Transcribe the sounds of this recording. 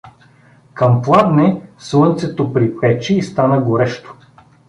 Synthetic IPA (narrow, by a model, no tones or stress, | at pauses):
kɐmplˠad̪nɛslˠɤnt̪sɛt̪opɾipɛt͡ʃiːst̪anəɡoɾɛʃt̪o̥